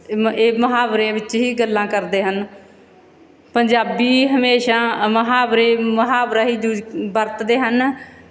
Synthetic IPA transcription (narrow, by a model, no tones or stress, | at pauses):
eːməɦaːbɾeʋɪt͡ʃɦiːɡəlːãːkəɾd̪eːɦən | pəɲd͡ʒaːbiːɦəmeːʃãːməɦaːbɾeːməɦaːbɾaːɦiːd͡ʒubəɾt̪d̪eːɦən